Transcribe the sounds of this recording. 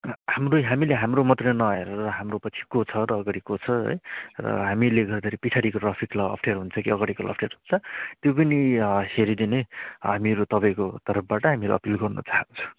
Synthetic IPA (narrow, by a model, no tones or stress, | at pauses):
hamroɦamileɦamromʌt̪rʌnʌeɾʌɾʌɦamropʌt͡sʰi̥kot͡sʰʌɾʌːɡaɽikot͡sʰʌɦʌ̰jrʌ̰ɦamileɡʌrd̪aɾipit͡sʰaɽikoʈrapʰiklʌ̰ːpʰʈʰerɦunt͡sʰʌkiʌɡaɽikolʔʌ̰pʰʈeɾɦunt͡sʰʌt̪jop̬ʌniheɾid̪ineɦamiɾut̪ʌpaj̃kot̪ʌɾʌp̚ʰbaʈʌɦamiʌɾo̰ʌpilɡʌrnʌ̰t͡saɦant͡sʰũ̥